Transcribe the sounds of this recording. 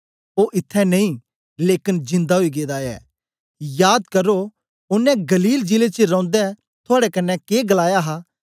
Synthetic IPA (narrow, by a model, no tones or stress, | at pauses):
oːʔɪt̪ʰːɛnɐĩ | leːkɪnd͡ʒɪ̃nd̪aɦoiɡeːd̪aɛ̰ː | jaːd̪kɐɾo | ʊnːɛ̃ɡɐliːld͡ʒɪlet͡ʃeɾɔ̃ːnd̪ɛ | t̪ʰʊaːɽɛkɐnːɛkeːɡɐlaːjaɦaː